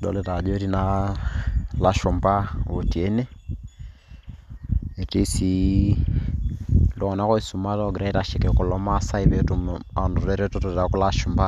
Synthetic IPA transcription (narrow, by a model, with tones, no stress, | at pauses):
dɔ̰˨lɛ˨ta˨d͡ʒɔ˦ɾi˦na | la˦ʃu˨mba˦˨βo˨ti˨ɛ˦nɛ˦ | e˨ti˦si˦ | lɔ˨ɔ˨na˦kɔ˦i˨su˨ma˦tɔ˦˨ɡi˨ɾa˦i˦ta˨ʃi˨kɛ˨ku˨lɔ˦masa˦iβɛtuma˨ndu˨tɛɾɛ˦tɔtɔ˨ɛɾa˨ku˦la˦ʃu˨mba˦